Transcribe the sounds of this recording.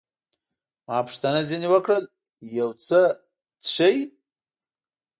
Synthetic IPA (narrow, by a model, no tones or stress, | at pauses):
mɑpə̥ʂt̪anaziniwəkɽəl | jawt͡sə | t͡sʂəj